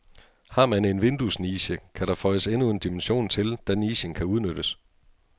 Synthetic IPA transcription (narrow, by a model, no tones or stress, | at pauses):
hɑ̈ːmæne̝nʋe̝nd̥usniːɕəkʰæɾɑ̈fɒ̽ɪəsenue̝nd̥imenɕo̝̰ːnt͡sʰe̝ld̥æniːɕənkʰæuð̞ˠnøɾ̥əs